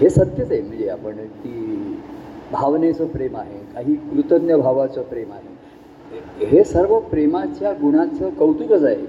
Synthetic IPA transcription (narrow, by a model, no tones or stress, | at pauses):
ɦesət̪jət͡saɦem̤əɳd͡zea̰pəɳt̪iː | bʱaʋnet͡səpɾemaɦekaɦiːkɾut̪ənjəbʱaʋat͡səpɾemaɦe | ɦesəɾʋəpɾemat͡ɕjaɡuɽ̃at͡səkəwt̪uɾəd͡zaɦe